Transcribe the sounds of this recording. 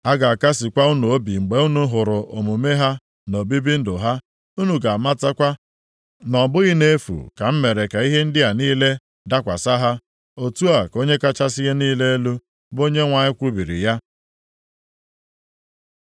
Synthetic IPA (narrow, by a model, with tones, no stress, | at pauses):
a˦ɡa˨a˨ka˦sɪ˨kʷa˦u˦nu˨o˦bi˨ŋ͡m̩˨ɡ͡be˨u˦nu˦ɦʊ˨ɾʊ˨ʔo̰˨mu˨me˦ɦa˦ | no˨bi˦bi˦n̩˦dʊ˨ɦa˦ | u˦nu˨ɡa˨a˨ma˦ta˦kʷa˦ | nɔ˨bʊ˦ɣi˦ne˦fṵ˨ka˨m̩˦me˨ɾe˨ka˨i˦ɦe˦n̩˦dɪ˦a˨niː˦le˦ | da˦kʷa˨sa˦ɦa˦ | o˨tu˦a˨ko˦ɲe˦ka˦t͡ʃa˦sɪ˦ɣe˦niː˦le˦e˦lu˦ | bo˦ɲe˦ŋʷa˨ɲɪ˦kʷu˦bi˨ɾḭ˨ja˦